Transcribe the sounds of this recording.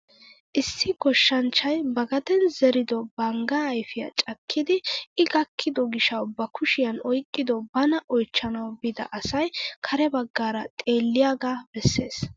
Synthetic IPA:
ʔɪsːɪɡɔʃːɐnt͡ʃːɐjbɐɡɐd̪ɛnzɛɾɪd̪ɔbɐŋɡɐːjfɪja̰t͡ʃʼɐkʰːɪd̪ɪɪɡɐkʰːɪd̪ɔɡɪʃɐwbɐkʰʊʃɪjɐnɔjkʼːɪd̪ɔbɐnɐʔɔjt͡ʃːɐnɐwbɪd̪ɐ̰ʔɐsɐjkʰɐɾɛbɐɡːaːɾɐt̪ʼe̞ːlːɪjaːɡaːbɛsːe̞ːs

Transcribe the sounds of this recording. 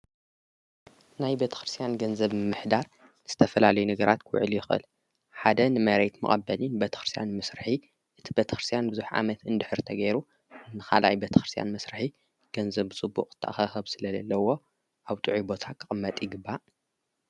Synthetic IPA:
najbet̪ʰɐ̥xɾɨst̪ʰʼijanɡɐnzɐβmɨmːɨħd̪aɾ | z̥ɨt̪ʰɐfɐlalɐjunɐɡɐɾat̪kʰwʊ̰ʕɨljɪxʔɨ̰l | ħad̪ɐnɨmɐɾet̪mɨ̰χʼɐbːɐlinbɐt̪ʰɐ̥xɾɨst̪ʰja̰nmɐsɾɨħi | ʔɨt̪ʰibet̪ʰɐxɾɨst̪ʰjanbɨzuħʕa̰mɐt̪ɨnd̪ɨħɨɾt̪ʰɐɡɐjɾu | nɨxa̰lʔa̰jbɐt̪ʰɐ̥xɾɨst̪ja̰nmɐsɾɨħi | ɡ̥ɐnzɐβɨt͡sʼɨbːṵkʼɨt̪ʰːɐʔa̰xɐxɐβsɨlɐzɐ̰lːɐwo̞ | ʔaβt̪ʼɨʕibo̞t̪ʰakʰɨxʼɨmːɐt̪ʼɪɡɨbːa

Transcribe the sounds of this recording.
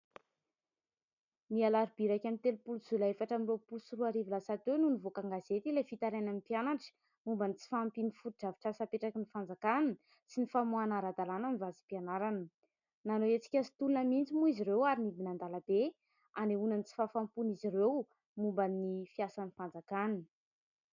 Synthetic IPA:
nialaɾib̥iɾakʲamit̪elupuluz̥ulaefaʈ͡ʂamiropulusuɾuaɾivilasat̪ewnunivokaŋɡazet̪ilefit̪aɾenanipjanaʈ͡ʂə̥ | mumbanit͡si̥fampinifuid͡ʒavi̥ʈ͡ʂasapeʈ͡ʂakinifand͡zakann | sinifamuanaɾad̪alanamivazipianaɾanə | nanoet͡si̥kʲasi̥t̪ulunəmint͡simuiziɾewaɾinibinand̪alab̥e | aneunanit͡si̥fafampunizirew | mumbanifiasanifand͡zakanin

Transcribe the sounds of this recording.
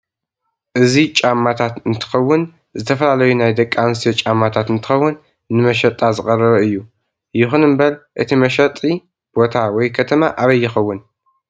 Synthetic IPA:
ʔɨzit͡ʃʼamːat̪ʰat̪ɨnt̪ʰɨ̥xɐwːʊn | zɨt̪ʰɐfɐlalɐjunajd̪ɐkʼːanst̪ijot͡ʃʼamːat̪ʰat̪ɨnt̪ʰɨ̥xɐwːʊnː | ɨmɐʃɐt̪ʼːazɨkʼɐrɐβɐɨjːu | jɪxunɨmbɐlʔɨt̪ʰimɐʃɐt̪ʼːi | b̥o̞t̪ʰawɔjkʰɐt̪ʰɐmaʔaβɐjːɪxɐwːʊn

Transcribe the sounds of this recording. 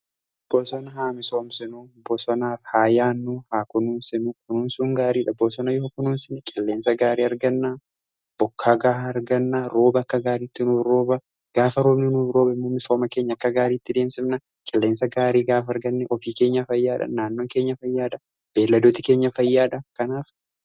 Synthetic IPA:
ɐb̥oːsɔnɐɦaːmɪsoːmsɪnubɔsɔnaːfhaːjaːnːuːhaːkʊnuːnsɪnukʼʊnuːnsuːŋɡaːɾiːᶑɐboːsɔnɐjɔɔkʊnuːnsɪnkʼɪlːeːnsɐɡaːɾiːɐɾɡɐnːa | b̥ɔkʰːaːɡaːhɐɾɡɐnːaɾo̞ːbɐɐkːɐɡaːɾiːt̪ːɪnuːɾoːbɐ | ɡ̥aːfɐɾo̞ːbnɛnuːɾo̞ːbɪmːoːmɪso̞ːmɐke̞ːɲːɐkːɐɡaːɾiːt̪ːɪd̪e̞ːmsɪmnɐ | kʼɪlːe̞ːnsɐɡaːɾiːɡaːfɐɐɾɡɐnːɛʔɔfiːke̞ːɲːɐfɐjːaːᶑɐ̰naːnːo̞ːŋke̞ːɲːɐfɐjːaːᶑɐ | b̥e̞ːlːɐd̪oːt̪ɪke̞ːɲːɐfɐjːaːᶑɐkɐnaːf

